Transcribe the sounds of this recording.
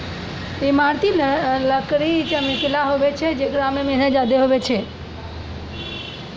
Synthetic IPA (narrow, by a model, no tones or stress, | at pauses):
emaɾt̪iləkɾit͡ʃəmɪklaɦoʋet͡ʃʰed͡ʒekɾamemenəd͡ʒad̪eɦoʋet͡ʃʰe